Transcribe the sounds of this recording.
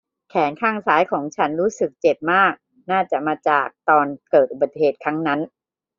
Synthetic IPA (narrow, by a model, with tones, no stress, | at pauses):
kʰɛː˩˦nkʰaː˥˩ŋsaː˦˥jkʰɔː˩˦ŋt͡ɕʰa˦˥nɾuː˦˥sɯ˨˩k̚t͡ɕe˨˩p̚maː˥˩k̚ | naː˥˩t͡ɕa˨˩ʔmaː˧t͡ɕaː˨˩k̚t̪ɔː˧nkɤː˨˩t̪̚ʔu˨˩ba˨˩t̪heː˨˩t̪̚kʰɾa˦˥ŋna˦˥n